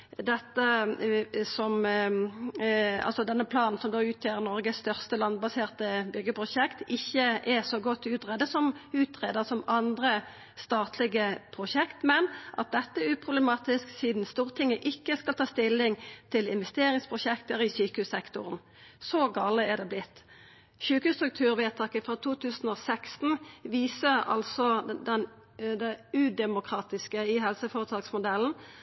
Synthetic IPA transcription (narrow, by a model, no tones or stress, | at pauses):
d̪ɛt̪ːə | sɔm | ɑ̰lsɔd̪ɛnːəpʰlɑːnn̩sɔmd̪oːʉːt̪ʰjøːʁnɔɾɡəsst̪œʁst̪əlɑnbɑseːʁt̪əbʏɡːəpʰɾʊʃɛkt̪ɪçːəʔɛsɔɡɔt̪ːʉːt̪ʁɛːd̪əsɔmʉːt̪ʰʁeːd̪əʁsɔmɑnd̪ɾə | st̪ɑːt̪ʰlɪɡəpʰʁʊʃɛkt̪mɛnʔɑ̰t̪̚d̪ɛt̪ːəʉːpʰʁʊbləmɑːt̪ɪsksiːd̪n̩st̪uːʁət̪ʰɪŋːəʔɪkːəskɑlt̪ʰɑːst̪ɪlːɪŋt̪ʰɪlɪnʋɛst̪eːɾɪŋspʰʁʊʃɛkt̪əʁɪsyːkəhʉːsɛkt̪ʊʁn | sɔɡɑːləæd̪ɛːblɪt̪ː | syːkəʉst̪ɾʁʉk̚t̪ʰʉːʁʋeːt̪ʰɑkəfʁɑːt̪ʰuːt̪ʰʉːsn̩oːsæksn̩ʋiːsəɑ̰lsɔd̪ɛn | d̪ɛʉd̪ɛmʊkʰɾɑːt̪ɪskəɪɦhɛlsəfoːʁət̪ʰɑːɡsmʊd̪ɛln̩